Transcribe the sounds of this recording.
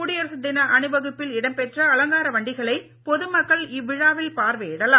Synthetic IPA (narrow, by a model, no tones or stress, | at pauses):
ʊɽɪjɐɾsɐd̪ɪnɐʔɐnɯbɐɣɯpːɪlɪɽɐmpɛʈrɐɐlɐŋɡaːɾɐʋɐɳɖɪɣɐɭɐɪ | pɔðɯmɐkːɐɭɪʋːɪɻaːʋɪlpaːɾʋeːɽɐlaː